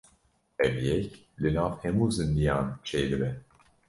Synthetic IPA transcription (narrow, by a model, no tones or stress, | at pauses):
ɛvijɛc | linafhɛmuːzɨnd̪ijant͡ʃʰɛjlibɛ